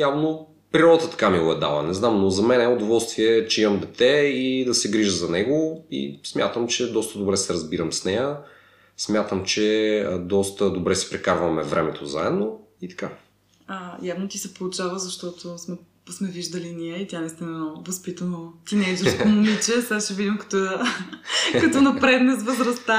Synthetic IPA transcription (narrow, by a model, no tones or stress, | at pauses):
javno | pɾiɾɔd̪ət̪ət̪ɐ̥kamiɡɔɛd̪a̰lˠə̰nɛznamnozɐmɛnɛʊd̪ovɔlˠst̪viɛt͡ʃɛimɐmd̪ɛt̪ɛid̪ɐsɛɡɾiʒəzɐnɛɡoḭsmʲja̰t̪əmt͡ʃɛd̪ɔst̪əd̪obɾɛsɛɾɐzbiɾəmsnɛjə | smʲjat̪əmt͡ʃɛd̪ɔst̪əd̪obɾɛsɛ̥pɾɛkaɾvəmɛvɾʔɛ̰mɛt̪o̰za̰ɛd̪no | it̪ɐ̥ka | əjavnot̪isɛpolˠʊt͡ʃavəzɐʃt̪ɔt̪osmɛ | smɛviʒd̪ɐliniɛit̪ʲanɛst̪inɛnovɐspit̪ənot̪inɛd͡ʒ̪ostomʊmit͡ʃɛsasʃɛvid̪ʲimkɐ̥t̪ɔ | kɐt̪ɔnɐpɾɛd̪nɛsvəzɾɐst̪a